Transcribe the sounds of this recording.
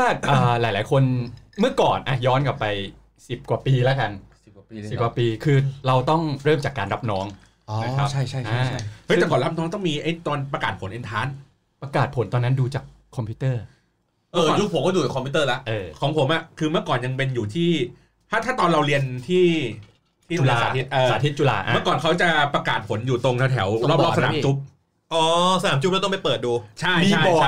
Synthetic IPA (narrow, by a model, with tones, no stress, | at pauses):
aː˥˩t̪̚ʔəː˩˨˩laː˩˦jlaː˩˦jkʰo˧nmɯ˥˩ɐkɔː˨˩nʔa˨˧˩jɔː˦˥nka˨˩pːa˧j | si˨˩p̚kwaː˨˩piː˧la˦˥ka˧n | i˨˩˧si˨˩kwa˨˩piː˧kʰɯː˧ɾa˧wt̪ɔ˥˩ŋɾɤː˥˩mt͡ɕaː˨˩kːaː˧nɾa˦˥p̚nɔː˦˥ŋ | ʔɔ˧na˦kɾa˦˥t͡ɕʰa˥˩jt͡ɕʰa˥˩ja˧a˥ə˦˥jt̪ɛ˨˩kɔː˨˩nɾa˦˥p̚nɔː˦˥ŋt̪ɔ˥˩ŋmiː˧ʔa˧˥˩jt̪ɔː˧npɾa˧kaː˨˩t̪̚pʰo˩˦nʔe˧nt̪ʰaː˦˥n | pɾa˧kaː˨˩t̪̚pʰo˩˦nt̪ɔː˧nːa˦˥nduː˧t͡ɕaː˨˩kʰːɔ˧mpʰiː˦˥t̪ɤː˥˩ | ɤː˦˥˧ju˦˥pʰo˨˦kɔ˥˩u˨˩t͡ɕa˨˩kʰːmpʰi˦˥t̪ɤː˥˩la˦˥ʔʔɤː˧kʰɔː˩˦ŋpʰo˩˦mʔa˨˩ʔkʰɯː˧mɯ˥˩əkɔː˨˩nja˧ŋpe˧njuː˨˩t̪ʰiː˥˩ | t̪ʰaː˥˩t̪ʰaː˥˩t̪ɔː˧nɾa˧wɾi˧ənt̪ʰiː˥˩ | t̪ʰiː˦˥˩u˧lːaː˧aː˨i˦˥ʔaː˧aː˨˦i˦˥t͡ɕu˧la̰ː˧ʔmɯ˥˩əkɔː˨˩nkʰa˦˥wt͡ɕa˨˩pɾa˧kaː˨˩t̪̚pʰo˩˦njuː˨˩t̪o˧ŋt̪ʰɛ˧˦˩t̪ʰɛ˩˦wɾlɔː˥˩p̚ɔː˦˥˩sa˧naː˩˦mt͡ɕu˦˥p̚ | ʔɔː˨˧˦sa˧naː˨˩˦mt͡ɕu˦˥plɛ˦˥t̪ɔ˥ma˥˩jpɤː˨˩t̪̚duː˧t͡ɕʰa˥˩jmiː˧a˥˩bɔ˨˩˥